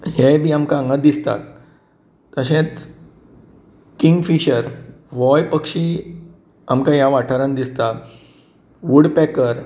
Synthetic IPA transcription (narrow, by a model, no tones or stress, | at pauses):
hebʱiːamkaŋɡad̪ist̪a̰t̪ː | əɕẽt͡s | kiŋɡfiɕəɾ | ʋɔjpəkʂiː | amkajaʋaʈʰəɾənd̪ist̪a | ʋuɽpɛkəɾ